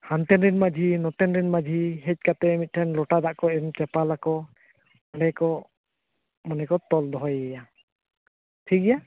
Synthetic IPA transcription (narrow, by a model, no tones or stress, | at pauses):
hant̪ɛnɾinmad͡ʒʱinɔt̪ɛnɾɛnmad͡ʒʱiɦɛc̚ˀkat̪ɛɛmit̪̚ʈʰɛnlɔʈad̪aʔkɔɛmt͡ʃɛpalakɔ | aɖɛkɔ | mɔnɛkɔt̪ɔld̪ɔɦɔjɛja | ʈʰiɡɛja